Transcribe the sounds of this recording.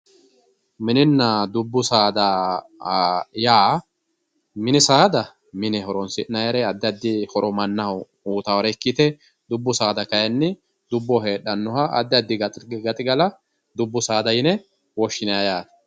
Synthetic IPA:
mɪnɪnːɐd̪ʊbːʊsaːd̪ɐ | jaː | mɪnɪsaːd̪ɐ | mɪnɛɦɔɾɔnsɪnɐjɐɾɛɐd̪ːɪɐd̪ːɪhɔɾʔɔmɐnːɐhɐw | uːt̪awɐɾɛkːit̪ɛ | d̪ʊbːʊsaːd̪ɐkɐjɐnːɪ | d̪ʊbːɔɦe̞ːɗɐnːɔhɐʔɐ̰d̪ːɪɐd̪ːɪɡɐɡɐt̪ʼɪɡɐlɐ | d̪ʊbːʊsaːd̪ɐjɪnɛ | wɔʃːɪnɐjajaːt̪ɐ̥

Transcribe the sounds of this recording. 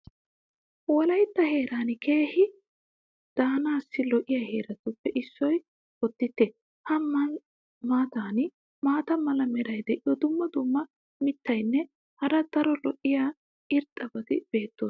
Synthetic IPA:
wɔlɐjt̪ːɐhe̞ːɾaːnke̞ːhɪ | d̪̥aːnaːsːɪlɔʔɪjahe̞ːɾɐt̪ʊpːɛʔɪsːɔj | ɔt̪ːɪt̪ːe | hɐɐ | maːt̪aːnɪ | maːt̪ɐmɐlɐmɛɾɐjd̪ɛʔɪjɔd̪ʊmːɐd̪ʊmːɐ | mɪt̪ːɐjnːɛ | hɐɾɐd̪̥ɐɾɔlɔʔɪjaː | ʔɪɾt̪ʼːɐbɐd̪ɪb̥e̞ːt̪ːoːs

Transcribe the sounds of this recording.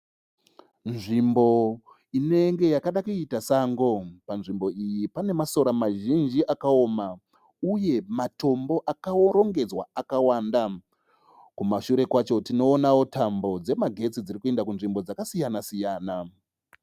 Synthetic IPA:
nʐimbo̞ | ine̞ŋɡe̞jakaɗakuitasaŋɡo̞panʐimbo̞ijipane̞maso̞ɾamaʒind͡ʒiʔakao̞ːma | uje̞mato̞mbo̞ʔakaɾo̞ŋɡe̞d͡zwa̰akawanda | kumaʃuɾe̞kwat͡ʃo̞tino̞ːnawo̞tambo̞d͡ze̞maɡʱe̞t͡sid͡ziɾikue̞ndakunʐimbo̞d͡zakasijanasijaːna

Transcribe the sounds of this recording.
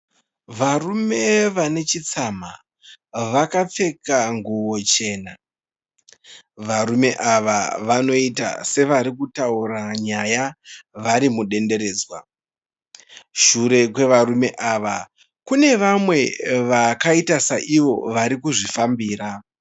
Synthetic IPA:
ʋarume̞ʋane̞t͡ʃit͡sama | ʋakap͡fe̞kaŋɡuwo̞t͡ʃe̞ːna | ʋaɾume̞ʔaʋaʋano̞ita̰se̞ʋaɾikutauɾaɲajaʋaɾimuɗe̞nde̞ɾe̞ːd͡zwa | ʃuɾe̞kwe̞ʋaɾume̞ʔaːʋa | kune̞ʋamwe̞ʋakaitasaʔiʋo̞ʋaɾikuʐifambiːɾa

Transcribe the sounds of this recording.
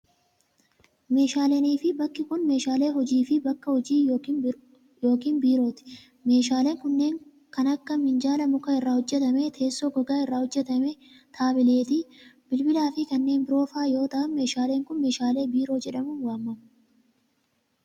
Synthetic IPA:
me̞ːʃaːlɛniːfɪbɐkːɪkʊnme̞ːʃaːle̞ːɦɔd͡ʒiːfɪbɐkːɐhɔd͡ʒiː | jo̞ːkiːnbiːɾo̞ːt̪ɪ̥ | me̞ːʃaːleːŋkʊnːe̞ːŋ | kɐnɐkːɐmɪnd͡ʒaːlɐmʊkɐɪrːaːhɔd͡ʒːɛt̪ɐmet̪ʰe̞ːsːoːɡɔɡaːɪrːaːhɔd͡ʒːɛt̪ɐmɛ | t̪ʰaːbɪle̞ːt̪ɪbɪlbɪlaːfɪkɐnːe̞ːnbɪɾo̞ːfaːjo̞ːt̪ɐʔɐnme̞ːʃaːle̞ːŋkʊnme̞ːʃaːle̞ːbiːɾo̞ːd͡ʒɛᶑɐmʊnwaːmːɐm

